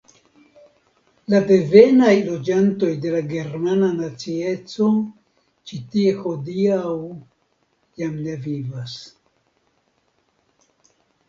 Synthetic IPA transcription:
labe̞ve̞najlo̞d͡ʒanto̞jde̞laɡe̞ɾmananat͡sie̞t͡so̞ | t͡ʃitie̞ho̞diaw | jamne̞vivas

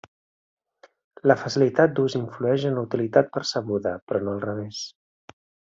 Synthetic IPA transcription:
ləfəsilit̪at̪̚d̪uziɱfluɛʒənlut̪ilit̪at̪̚pəɾsəɣuðəpɾɔnoəlˠrəβ̞es

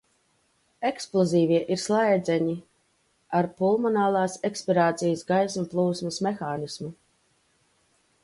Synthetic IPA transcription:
eksplˠɔziːviɛʔiɾslˠajd̪zɛɲi | aɾpulˠmɔnaːlˠɑːsɛkspiɾaːt̪sijəsɡajsuplˠuːsmɐsmexaːnismu

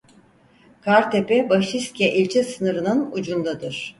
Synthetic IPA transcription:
kʰaɾt̪ʰepɛbaʃist̪cɛʔilʲt͡ʃʰɛsɯnɯɾɯnɯnud͡ʒund̪ad̪ɯɾ̥

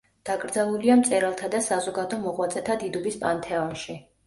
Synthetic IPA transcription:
d̪̥aɡɾd̪zalˠuliamt̪sʼɛɾalˠt̪ʰad̪asazɔɡad̪ɔmɔʁwat̪sʼɛt̪ʰad̪id̪ubispʼa̰nt̪ʰɛɔnʃi

